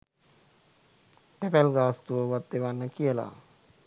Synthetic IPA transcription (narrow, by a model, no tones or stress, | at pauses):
ʈɛpɛlɡaːst̪uəʋət̪̚ːeʋanːəkijəla̰